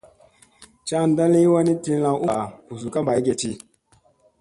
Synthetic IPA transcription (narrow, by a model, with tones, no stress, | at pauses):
t͡ʃa˦˨n˦da˦li˦wa˦ni˦ti˦la˨ʔu˦˨u˨zu˨ka˦mba˨i˦ɡe˨t͡ʃi˦